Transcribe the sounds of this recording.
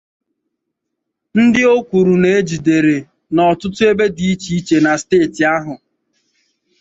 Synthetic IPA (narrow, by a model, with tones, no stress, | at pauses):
n̩˦dɪ˦o˦kʷu˨ɾu˨ne˨e˦d͡ʒi˨de˨ɾe˨ | nɔ˨tʊ˦tʊ˦e˦be˦di˨i˦t͡ʃi˨i˦t͡ʃe˨na˨steː˦˨tɪ˨a˦ɦʊ˨